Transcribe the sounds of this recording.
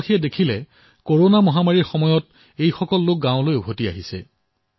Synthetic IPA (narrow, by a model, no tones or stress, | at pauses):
xijɛdekʰilɛ | koɹonamɔɦamaɹiɹxɔmɔjɔt | ejxɔkɔlːok̚ɡãʊlojubʱotia̰ɦisɛ̰